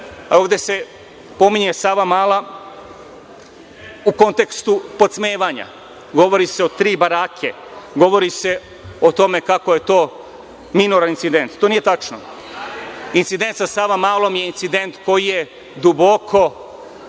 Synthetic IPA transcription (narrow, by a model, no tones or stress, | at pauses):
aoːʋd̪e̞se̞ | po̞miɲe̞saʋamaːla | uko̞nt̪e̞kst̪upo̞t̪smeːʋaɲa̰ | ɡo̞ʋo̞ɾiseot̪ɾiːbaɾaːkʰe | ɡo̞ʋo̞ɾise̞ | o̞t̪o̞me̞kako̞je̞t̪o̞ː | minuɾanint̪sid̪e̞nt̪t̪oːnije̞t̪at͡ʃno̰ | int̪sid̪e̞nt̪sasaʋamaːlˠo̞mje̞int̪sid̪e̞nt̪ko̞jije̞ | d̪ubo̞kʰo̞